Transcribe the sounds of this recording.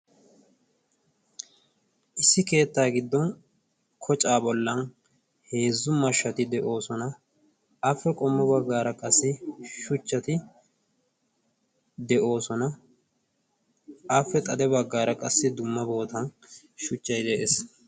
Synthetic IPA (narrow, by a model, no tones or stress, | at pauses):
ʔɪsːɪke̞ːt̪ːaːɡɪd̪ːɔn | kʰɔt͡ʃʼaːbɔlːɐn | he̞ːzːʊmɐʃːɐt̪ɪd̪ɛʔo̞ːsɔnɐ | ɐfːɛkʼɔmːɔbɐɡːaːɾɐkʼɐsːɪʃʊt͡ʃːɐt̪ɪ | d̪ɛʔo̞ːsɔnɐ | ʔɐfːɛt̪ʼɐd̪ɛbɐɡːaːɾɐkʼɐsːɪd̪ʊmːɐbo̞ːt̪ɐn | ʃʊt͡ʃːɐjd̪ɛʔeːs